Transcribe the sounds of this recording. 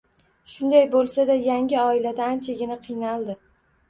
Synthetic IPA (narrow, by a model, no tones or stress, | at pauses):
ʃʊnd̪ajbolˠsad̪ajaŋʲɪɒɪlad̪aːnt͡ʃʰaɡʲɪnaqʰɨjnalˠd̪ɪ